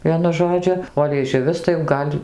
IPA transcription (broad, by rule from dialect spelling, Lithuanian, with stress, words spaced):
ˈʋʲiɛnʊ ˈʒoːd͡ʒʲʊ oː lʲiɛˈʒʲʊʋʲɪs tɐɪ jɛʊ ˈɡɐlʲ